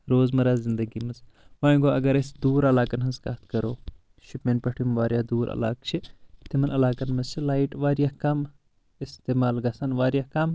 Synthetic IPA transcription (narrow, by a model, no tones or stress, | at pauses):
ɾoːzmɐɾaːzzind̪ɐɡimɐz | ʋaːjɡoɐɡɐɾɐsd̪uːɾɐlaːkɐnɦɐnzkɐ̰t̪ʰkɐɾoː | ʃipmenpɐʈʰimʋaːɾjad̪uːɾɐ̰la̰ːkt͡ʃʰit̪imɐnɐlaːkɐnmɐt͡ʃʰilaːiʈʋaːɾjakɐm | ist̪eːmaːlɡɐsɐnʋaːɾjakɐm